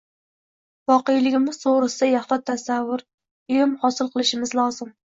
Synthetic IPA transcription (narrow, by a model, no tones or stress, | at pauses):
vɒqejlɪɡʲɪmɪz̥t̪ʰoʁɾɪsajaχlat̪ʰːasavːʊɾ | ʊjɪmhɒsɪlˠqʰɨlˠɪʃɪmɪzlˠɒzɪm